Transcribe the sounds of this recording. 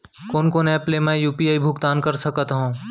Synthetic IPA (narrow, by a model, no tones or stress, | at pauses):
koːnkoːnɛːpleːmẽjuːpiaːibʱʊkt̪aːnkɐɾsɐkːt̪aɦõː